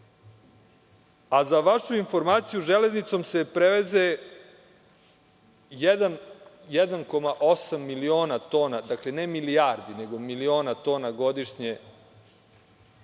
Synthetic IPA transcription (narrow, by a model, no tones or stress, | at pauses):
azaʋaʃuinfo̞ɾmaːt̪sijuʒele̞znit̪so̞mse̞pɾeʋeze | jed̪an | jɛd̪anko̞maʔosamːilio̞ːnat̪o̞ːnad̪akle̞nemilijaɾd̪ine̞ɡo̞milio̞ːnat̪o̞ːnaɡo̞d̪iʃɲe